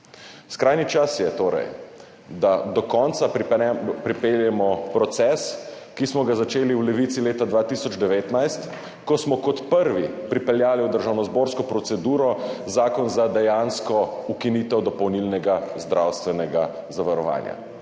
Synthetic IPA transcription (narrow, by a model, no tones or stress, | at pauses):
skɾajnit͡ʃasjɛt̪oːɾɛ̰j | d̪ad̪ɔkɔnt̪sa | pɾipeljɛmɔpɾɔt̪sɛs | kismɔɡazat͡ʃeːliwlɛʋit̪sileːt̪ad̪ʋaːt̪isɔd͡ʒd̪ɛʋeːt̪najst̪ | kɔsmɔkɔt̪pəɾʋipɾipɛljaːliwd̪əɾʒawnɔzboːɾskɔpɾɔtsɛd̪uːɾɔzaːkɔnzad̪ɛjanskɔukinit̪ɛwd̪ɔpɔwnilnɛɡazd̪ɾʔawst̪ʋɛnɛɡa | zaʋaɾɔʋa̰ːnja̰